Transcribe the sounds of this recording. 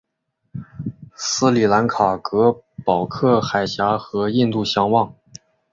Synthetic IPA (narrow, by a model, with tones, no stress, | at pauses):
sɹ̩˥li˨˩la˧˥nkʰa˨˩kɤ˧˥pɑ˨˩ʊkʰɤ˥˩xa˨˩ɪɕja˧˥xɤ˧˥i˥˧nt̪u˥˩ɕjɑ˥ŋwɑ˥˩ŋ